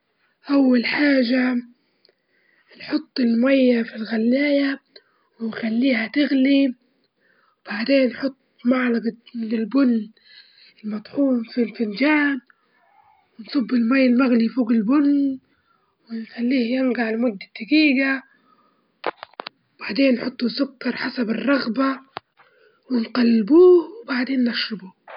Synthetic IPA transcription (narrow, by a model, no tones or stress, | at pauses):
ʔawːalħaːʒa | nħʊt̪ˤːɪlmajːafilɣalːaːja | wɪnxalːiːhat̪ɪɣli | wb̥aʕd̪eːnːħʊt̪ˤːmaʕlɑɡlɪlbʊnː | ɪlmɑt̪ˤħuːmfilfɪnd͡ʒaːn | wɪnsˤʊbːɪlmaːjːɪlmaɣlijfuːɡɪlbʊn | wɪnxalːiːhjɪnɡaʕlɪmʊd̪ːad̪ːaɡiːɡa | wb̥aʕd̪eːnːħʊt̪ˤːusʊkːɑɾˤħasabɪrˤːɑɣba | wɪnqɑlːbuːwbaʕd̪eːnːaʃːɪbu